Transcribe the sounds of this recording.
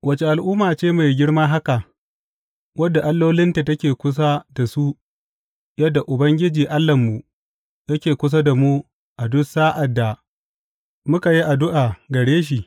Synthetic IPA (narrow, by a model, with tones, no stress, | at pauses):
wʔɐ˨t͡ʃe˨ʔa˨lʔʊː˦mːaː˨t͡ʃeː˦ma˨jɡʲɪ˦ɽmaː˦ɦa˦ka˨ | wɐ˦dːa˨ʔa˦lːoː˦lɪ˦nta˨tɐ˦kʲeː˨kʷʊ˦s̬a˦da˨su˦ | jɐ˦dːa˨ʔʊ˨bɐ˦ŋɡʲɪ˦d͡ʒiː˨ʔa˦lːɐ˨mːu˨ | jɐ˦kʲeː˨kʷʊ˦s̬a˦da˨mu˦ | ʔa˨dʊ˦saː˦ʔa˨dːa˨ | mʊ˦ka˨ji˦ʔa˨dʊ˦ʔa˨ɡɐ˨ɽeː˦ʃ̬i˨